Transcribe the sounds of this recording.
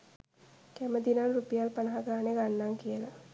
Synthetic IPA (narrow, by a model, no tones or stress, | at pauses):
kæməd̪inanrupijalpanaɦaɡaːneɡanːaŋkijəla